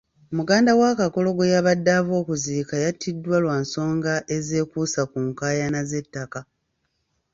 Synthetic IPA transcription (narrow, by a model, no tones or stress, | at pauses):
muɡaːndawaːkako̞lo̞ɡojaβadːavo̞ːkuziːkajatʰːidːwalwaːnso̞ːŋɡaʔe̞ze̞ːkuːsakuŋkaːjanaze̞tːaka